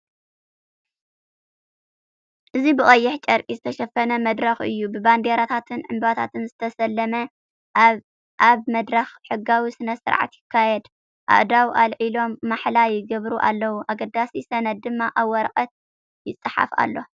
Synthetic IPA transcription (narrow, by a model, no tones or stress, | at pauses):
ʔɨzibɨɣʼɐjːɪħt͡ʃʼɐɾkʼizɨt̪ʰɐʃɐfɐnɐmɐd̪ɾɐxɨ̰jːubɨband̪eɾat̪ʰat̪ʰɨnʕɨ̰mbbat̪ʰat̪ʰɨnzɨt̪ʰɐsɐlːɐmɐ | ʔaβmɐd̪ɾɐxħɨɡːawisɨnɐsɨ̰ɾʕa̰t̪jɪkʰːajɛd̪ | ʔa̰ʔd̪awʔalʕilo̞mːaħlajɪɡɐβɾuʔa̰lːɐwuʔaɡɐd̪ːasisɐnɐd̪̚d̪ɨmːaʔawːɐɾqʼɐt̪̚ | jɪt͡sʼːɨħa̰fa̰lːo̞